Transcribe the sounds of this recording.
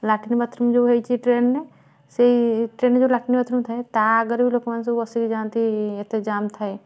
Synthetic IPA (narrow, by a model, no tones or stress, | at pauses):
laːʈinibɐt̪ʰɾumd͡ʒoɦeit͡ʃʰiʈɾeːnne | seʈɾeːnːed͡ʒolaːʈɪnibɐt̪ʰɾumt̪ʰaet̪aɐɡəɾbʱiloːkmans̬eɐsikid͡ʒaːnt̪iɪ̃t̪ed͡ʒaːmt̪ʰa